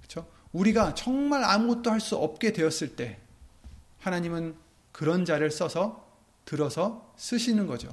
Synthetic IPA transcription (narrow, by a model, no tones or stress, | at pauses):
kɯ̥t͡ɕʰo | uɾiɡat͡ɕʌŋmaɾamuɡʌt̚t͈ohaɭs͈uʌp̚k͈e̞dwe̞ʌs͈ɯɭt͈e̞ | hanaɲimɯn | kɯɾʌnd͡ʑaɾɯɭs͈ʌsʰʌ | tɯɾʌsʰʌs͈ɯɕʰinɯnɡʌd͡ʑo̰